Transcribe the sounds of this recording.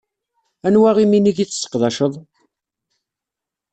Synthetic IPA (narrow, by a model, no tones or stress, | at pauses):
ænwæʁiminiʝit͡sːsːə̥qðɑʃəðˤ